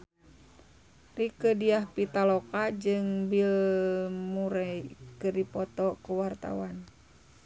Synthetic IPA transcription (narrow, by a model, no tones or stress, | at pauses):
rikədiahpit̪alɔkad͡ʒɨŋbil | muɾɛjkədipɔt̪ɔkuwart̪a̰wan